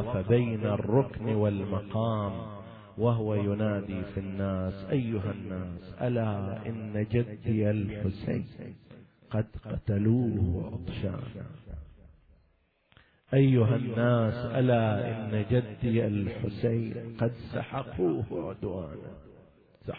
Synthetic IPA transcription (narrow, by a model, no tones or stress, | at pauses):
fabajnarˤːʊknwɪlmɑqɑːm | waɦʊwajʊnaːd̪iːfinːaːsʔajːʊɦanːaːsʔalaːʔɪ̰nːad͡ʒad̪ːɪalħʊsa̰ːn | qɑd̪qɑt̪aluːhʔɑ̰d̪ˤʃa̰ːna̰ | ʔajːʊɦanːaːsʔalaːʔɪ̰nːad͡ʒad̪ːɪalħʊsajnqɑd̪sɑ̰ħɑquːhʕʊd̪waːna̰ | s